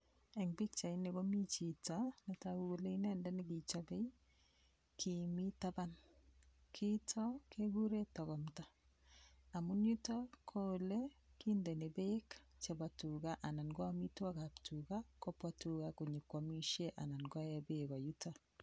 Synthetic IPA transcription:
ɛ˨ŋbi˦k̚t͡ʃa˨i˦ne˨ɣo˦mi˦t͡ʃi˨tane˨ta˨u˦ɣo˦le˦i˦nɛː˦ndɛ˦ne˦ki˨t͡ʃa˦be˦i˦ | kʰimi˦ta˦βa˦n | kʰi˦tʰɔ˦ke˦ɣu˦ɾe˦tɔ˨ɣɔ˨mtaː˦˨ | mu˦nju˦ta˦kʰo˦le˦kindɛ˨ne˨be˦kt͡ʃe˨βa˨tu˨ɣa˦ʔa˨na˨ŋɡɔ˦ami˦twa˦ka˨ptʰuɣa˦ko˦pwa˦tu˨ɣako˨ɲe˨kːwa˨mi˦ʃe˦ʔa˨na˨ŋɡɔ˦ɛ˦beɣa˨juta˨

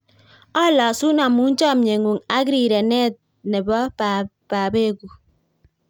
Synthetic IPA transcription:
ɔ˦lɔ˨su˦na˨mu˨˦n̩˦t͡ʃɔ˦m̩˨ɲe˨ŋu˨ŋa˦ɡɾi˦˨ɾe˨ne˦˨t̚ | ne˨bɔ˦pa˨ | pa˨be˦˨ɡu˨

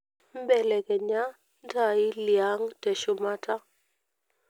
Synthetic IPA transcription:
m˦bɛ˨lɛ˨kɛ˨ɲa˦ | n˦tʰa˨i˦li˨a˦ŋtɛ˨ʃʊ˨ma˦ta˦

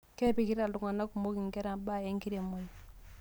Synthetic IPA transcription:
kɛ˦pi˨ki˦ɾa˨ldu˨ŋa˨na˦ku˨mo˦ki˨ŋɡɛ˦ɾa˨ba˦ɛ˦ŋki˦ɾe˨mɔ˨˦j

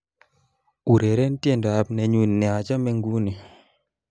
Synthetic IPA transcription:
u˨ɾe˨ɾɛ˦n˦tje˦˨ndɔ˨a˨pnɛ˨ɲu˦˨nnːɛ˨a˨d͡ʒa˦mɛ˦ŋɡu˦ni˨

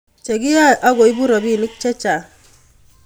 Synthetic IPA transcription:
t͡ʃe˨ɡi˦ja˦ʔa˦ɡo˨i˦bu˦ɾɔ˨bi˦˨nɪ˦k̚t͡ʃɛ˦t͡ʃa˨

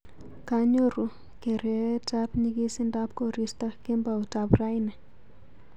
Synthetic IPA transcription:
ka˦ɲo˦ɾu˨ | ke˨ɾe˦ta˦pɲi˦ki˦si˦nda˦p̚ko˦ɾi˦sta˦ke˦mba˨u˨ta˨pra˦jnɛ˨

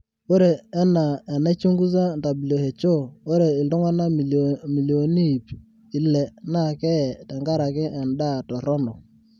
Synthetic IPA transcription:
o˦ɾeː˨˦na˨ɛ˨na˦t͡ʃo˦ŋɡu˦s̬a˦n˨ta˨bi˨lo˨he˨t͡ʃo˦˨o˦ɾe˨ɪ˨ltʊ˦ŋa˦na˦m˨mi˨ljo˨ni˦˨p | ɪ˨lɛ˨na˦˨kɛ˦ɛ˨ta˨ŋɡa˦ɾa˨kɪ˦ʔɛ˨nda˦˨tɔ˨ɾɔ˦nɔ˨

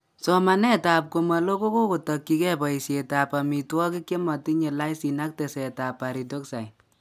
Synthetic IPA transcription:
sɔ˦ma˨nɛ˦ta˨p̚ko˨ma˨lo˦ko˦ko˦ko˨tɔ˨kːi˦kɛ˦pɔ˨i˨se˨ta˨pa˨mi˨twɔ˦ki˦kːe˦ma˨ti˦ɲe˨la˦isi˨na˦k̚te˨sɛ˨ta˨pːa˨ɾi˨to˦ksa˨j

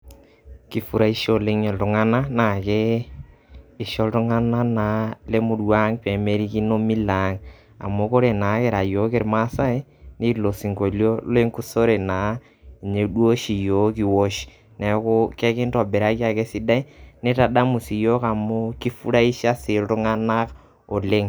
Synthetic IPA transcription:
ki˨fu˦ɾa˦i˦ʃo˦le˦ɲe˨ltʊ˨ŋa˦na˦na˨ke˦˨ | ʃo˦ltʊ˦ŋa˦na˦na˨le˦mu˨ɾwa˦ŋpe˨me˦ɾi˦ki˦no˦mi˦la˨˦ŋ | a̰˨mo˦ko˦ɾe˨na˨˦ke˨ɾa˨jo˨˦ke˦ɾma˦sa˦e˦ni˦lo˨si˨ŋko˨ljo˦le˦ŋku˦so˦ɾe˨na˨ | i˨ɲe˨dwo˦ʃi˨jo˨˦ki˨wo˦ʃ | na˨˦ko˦ke˦kɪ˦ntɔ˨be˨ɾa˦ki˦a˨ke˦si˦da˦i˦ne˦ta˨da˦mu˨si˨jo˦ka˨mo˦ki˦fu˦ɾa˦i˦ʃa˦sɪ˨ltʊ˦ŋa˦na˦k | o˨le˦ŋ

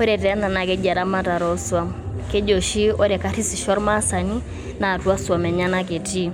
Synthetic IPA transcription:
o˦ɾɛ˨tɛ˨ɛ˦na˨na˨ke˦d͡ʒa˨ɾa˦ma˦ta˨ɾɔ˦swa˦m | ke˦d͡ʒo˨ʃi˦o˦ɾɛ˨ka˨˦ɾi˦si˨ʃɔ˦ɾma˦sa˨ni˦ | na˨twa˦swa˨mɛ˨ɲa˦na˦ke˨ti˦

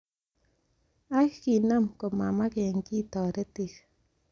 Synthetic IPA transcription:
akkina˦mko˨mama˦keŋki˦t̪ɔ˨ɾe˦t̪ik

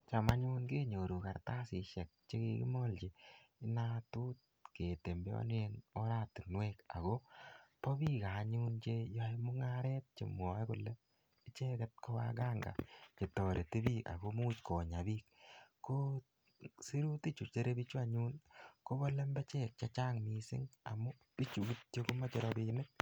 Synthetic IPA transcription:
t͡ʃa˨ma˦ɲu˦nke˦ɲo˨ɾu˨ka˨ɾta˦si˨ʃɛ˨k̚t͡ʃe˦kikḭ˦mɔ˦lt͡ʃe˨ɪ˦na˦tu˦t̚ | ke˨te˨mbe˦ɔ̰˦ne˦nɔ˦ɾa˦ti˨nwɛka̰˨ɣo˦pɔ˦biː˦ka˨˦ɲu˦nt͡ʃe˦jɔ˦imʊ˦ŋaɾɛ˦t̚t͡ʃḛ˨mwɔ˨˦kʊ˨lɛ˦ | i˦t͡ʃe˦kɛ˦t̚kɔ˦wa̰ɡa˦ŋɡa̰˨t͡ʃe˨tɔ˨ɾʔe˨ti˦bika̰˨ɡo˦muː˦tkʰo˨ɲa˨bi˦k̚kːo | si˦ɾu˦ti˦t͡ʃu˨t͡ʃe˦ɾe˦bit͡ʃu˦a˦ɲu˦nko˦bɔ˦le˦mbɛ˦t͡ʃɛ˦k̚t͡ʃa˦t͡ʃaː˦ŋmisɪ̰˦ŋa̰˨mu˦ | pi˦t͡ʃu˨ki˦t̚t͡ʃe˦ko˦ma˦t͡ʃeɾɔbi˦nɪ˦k̚

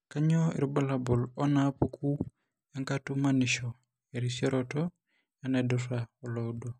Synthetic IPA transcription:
ka˦ɲɔ˦ḭ˨ɾbɔ˦la˨bɔ˨lɔ˦napukʰu˦ | ja˦ŋkatu˦maniʃɔ˨ | e˨ɾisjɔ˦ɾɔtɔ | janadɔsaɔ˨lɔdo˨

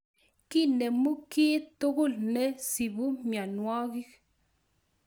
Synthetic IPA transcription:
ki˦ne˨mu˦ki˦t̪u˦ɡu˦˨lne˦si˨bu˦mja˨nwa˦ɡi˦k

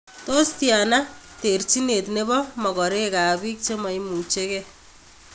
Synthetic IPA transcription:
to˦stja˨na | te˨rt͡ʃi˦ne˨tne˦bɔ˦mɔ˨kɔ˨ɾe˦ka˨βi˦k̚t͡ʃe˦ma˨imu˨t͡ʃe˦ke

